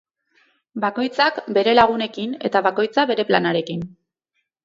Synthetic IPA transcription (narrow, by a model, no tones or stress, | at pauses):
bako̞jt͡sakbe̞ɾe̞laɣ̞une̞kine̞t̪aβako̞jt͡saβe̞ɾe̞planaɾe̞kin